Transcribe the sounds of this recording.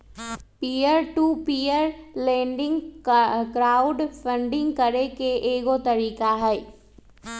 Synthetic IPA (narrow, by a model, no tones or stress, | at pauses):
piːəɾʈuːpiːəɾlẽːɳɖɪ̃ŋɡkɾaːʊɖpʰə̃ɳɖɪ̃ŋɡkəɾekeʔeːɡot̪ɐɾiːkaɦɛ